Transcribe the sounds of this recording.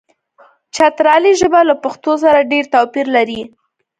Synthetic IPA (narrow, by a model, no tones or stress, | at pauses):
t͡ʃat̪ɾɑliʒəbalapaxt̪os̬aɾaɖeɾt̪ɑpiɾlaɾi